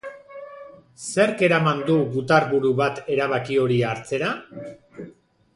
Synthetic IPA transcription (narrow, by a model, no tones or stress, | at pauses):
se̞ɾke̞ɾamand̪uɣut̪aɾβuɾuβat̪e̞ɾaβ̞akio̞ɾiaɾt͡se̞ɾa